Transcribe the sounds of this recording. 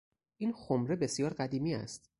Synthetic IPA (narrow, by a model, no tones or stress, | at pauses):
ʔiːnxomɾe̞be̞sjɒːɾɢæd̪iːmiːæ̰st̪